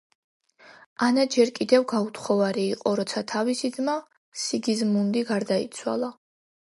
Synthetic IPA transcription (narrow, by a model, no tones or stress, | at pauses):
anad͡ʒɛɾkʼid̪ɛvɡaut̪ʰχɔvaɾiːqʼɔɾɔt̪sʰat̪ʰavisid̪d̪ma | siɡizmund̪iɡaɾd̪ait̪sʰwa̰lˠa